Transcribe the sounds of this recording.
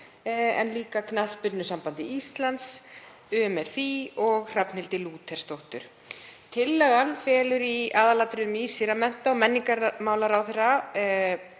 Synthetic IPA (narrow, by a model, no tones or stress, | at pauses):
ɛ̰nliːkakʰnaθðpʏt̪nʏsampant̪ɪist̪lant̪s | ʏːɛmɛɾ̥fiɔɣr̥apnɪlt̪ɪluːt̪ʰɛɾ̥st̪owht̪ʏ̰ɾ̥ | t̪ʰɪlːɛɣanfɛːlʏɾiaːðalat̪ɾɪnʏmiːsɪɾamɛn̥t̪aɔmɛnːiŋkaɾmaːwlaɾawθɛra